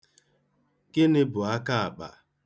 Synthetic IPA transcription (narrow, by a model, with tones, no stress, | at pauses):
kɪ˦nɪ˦bʊ˨a˦ka˦a˨k͡pa̰˨